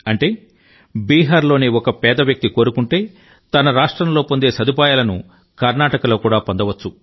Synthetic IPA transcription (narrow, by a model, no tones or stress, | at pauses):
ɐɳʈe̞ː | biːɦaːɾlo̞ːniɔkɐpɛːd̪ɐʋjɐk̚t̪iko̞ːɾukuɳʈe̞ː | t̪ɐnɐɾaːʂʈɾɐmlo̞ːpond̪e̞ːsɐd̪up̬aːjaːlɐnu | kɐɾnaːʈɐkɐloːkuːɽaːpond̪ɐʋɐt͡ʃːu